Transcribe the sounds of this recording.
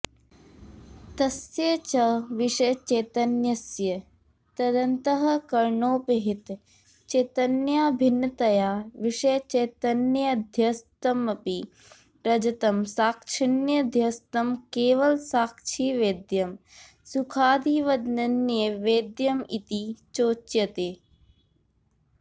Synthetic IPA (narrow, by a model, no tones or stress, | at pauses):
t̪ɐsjɐt͡ʃɐʋiʂɐjt͡ʃeːt̪ɐnjɐsjɐ | t̪ɐd̪ɐnt̪ɐɦɐ̆kɐɾɳoːpeɦit̪ | t͡ʃeːt̪ɐnjaːbʱinːɐt̪ɐjaːʋiʂɐjt͡ʃeːt̪ɐnjɐd̪ʱjɐst̪ɐmɐpi | ɾɐd͡ʒɐt̪ɐmsaːkʃʰinjɐd̪ʱjɐst̪ɐmkeːʋɐlsaːkt͡ʃʰiːʋeːd̪jɐm | sukʰaːd̪iʋɐd̪nɐnjɐʋeːd̪jɐmit̪it͡ʃoːt͡ʃjɐt̪eː